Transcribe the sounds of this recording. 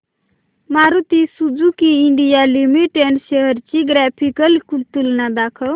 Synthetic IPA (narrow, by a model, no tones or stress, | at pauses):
maɾut̪isud͡ʒukiiɳɖijalimiʈeɳɖʃeɦəɾt͡ʃiɡɾapʰikəlkult̪ulnad̪akʰəl